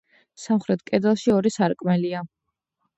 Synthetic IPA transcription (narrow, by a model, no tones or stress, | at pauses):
samχɾɛt̪ʰkʼɛd̪ɛlˠʃiɔɾisaɾkʼmɛlia